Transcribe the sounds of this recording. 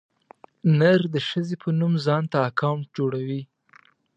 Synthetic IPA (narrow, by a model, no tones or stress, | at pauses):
nəɾd̪əʃəzepʰənumzɑnt̪aːkawɳʈ̚d͡ʒoɽawi